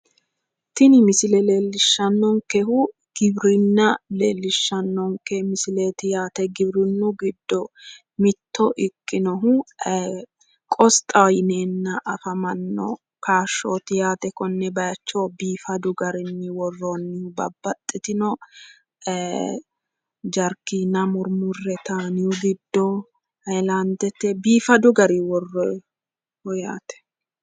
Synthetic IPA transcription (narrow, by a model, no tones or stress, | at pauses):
t̪ɪnɪmɪsɪlɛle̞ːlːɪʃːɐnːɔŋkɛhʊ | ɡ̥ɪbɾɪnːɐlḛːlːɪʃːɐnːɔŋkɛmɪsɪleːt̪ɪjaːt̪ɛɡɪbɾɪnːʊɡɪd̪ːɔ | mɪt̪ːɔʔɪkʼːɪnɔɦʊ | kʼɔst̪ʼɐjneːnːɐʔɐfɐmɐnːɔ̰ | kaːʃːoːt̪ɪjaːt̪ɛkɔnːɛbɐjɐt͡ʃːoːbiːfɐd̪ʊɡɐɾɪnːɪwɔrːoːnːɪhʊbɐbːɐt̪ʼːɪt̪ɪnɔ | d͡ʒɐɾkːiːnɐmʊɾmʊrːɛt̪aːnɪjʊɡɪd̪ːɔ | hɐjland̪ɛt̪ːɛbiːfɐd̪ʊɡɐɾiwɔrːɔ | ɔja̰ːt̪ɛ̥